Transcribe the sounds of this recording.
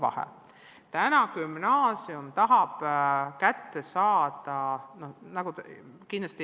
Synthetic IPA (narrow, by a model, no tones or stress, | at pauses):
vɑ̰hɛ̰ | t̪ænɑkymnɑːsiumt̪ɑɦɑb̥kæt̪ːesɑːd̪̥ɑno̞nɑɡ̥ukind̪lɑst̪i